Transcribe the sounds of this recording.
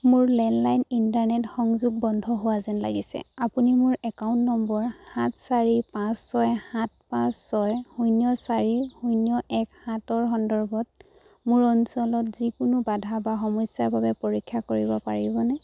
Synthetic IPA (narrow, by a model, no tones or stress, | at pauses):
mʊɹlɛnlajnintaɹnɛtxɔŋzuɡ̚bɔndʱɔɦowazɛnla̰ɡisɛ̰apunimʊɹɛkaʊntnɔmbɔɹhatsaɹipãsːɔjhat̚pãsːɔjhujnijɔsaɹihujnijɔʔɛkhatɔɹɦɔndɔɹbɔt̚ | mʊɹɔnsɔlɔtzikʊnʊbadʱabaxɔmɔjsaɹbʱabɛpoɹikʰːakoɹibɔpaɹibɔnɛ